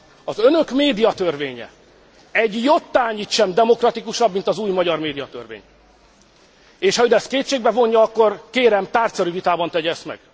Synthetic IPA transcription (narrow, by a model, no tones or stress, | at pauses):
ɒzønø̞kmeːd̪ijɒt̪ørveːɲɛ̰ | ɛɟjot̪ːaːɲiːt̪ʃɛmd̪ɛmo̞krɒt̪ikuʃɒbmint̪ɒzuːjmɒɟɒrmeːd̪ijɒt̪ø̰rvḛːɲ | eːʃhɒɦod̪ɛst̪̚keːt̪ʃeːɡ̚bɛvo̞ɲːjɒɒkːo̞rkeːɾɛmt̪aːrt̪sɛɾyvit̪aːbɒnt̪ɛɟɛst̪mɛ̰ɡ̥